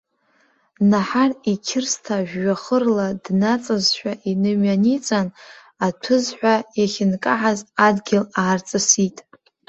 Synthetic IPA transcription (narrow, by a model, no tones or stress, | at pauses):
naħarikʲʰɪrstʰaʒᶣːaχərladnat͡sʼazʃᶣʷaʔinɨmɥanit͡sʼan | atʷʰɨzħʷᶣajaχʲɪnkʼaħazadɡʲɪlaːrt͡sʼɨsitʼ